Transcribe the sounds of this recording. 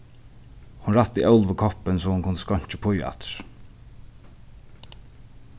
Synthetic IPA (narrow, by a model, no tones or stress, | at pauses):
hʊnɾat̪ːiʔœʊlvəkʰɔpənsɔːhʊnkʰʊnd̪əskɔɲ̥t͡ʃəpʰʊja̰t̪ɹ